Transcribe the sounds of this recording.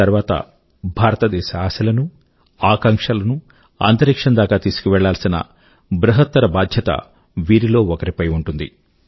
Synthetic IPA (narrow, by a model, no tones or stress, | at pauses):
ɐɾʋaːt̪ɐ̰ | bʱaːɾɐt̪ɐd̪ɛːʃɐaːsɐlɐnu | aːkɐŋkʂɐlɐnu | ɐ̰nt̪ɐɾikʂɐnd̪aːkaːt̪iːsu̥kuʋɛɭːaːlɐsinɐ̰ | bɾɐɦɐt̪ːɐɾɐbaːd̪ʱjɐt̪ɐ̰ | ʋiːɾilo̞ːɔkɐɾipɐjuɳʈund̪ḭ